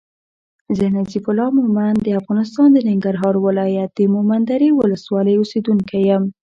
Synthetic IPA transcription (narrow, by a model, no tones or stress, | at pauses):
zənazifʊlɑmʊmand̪əafɣɑnɪst̪ɑnd̪ənɪŋɡaɾɦɑɾwɪlɑjat̪̚d̪əmʊmand̪aɾiwʊləswɑləjosed̪uŋkajəm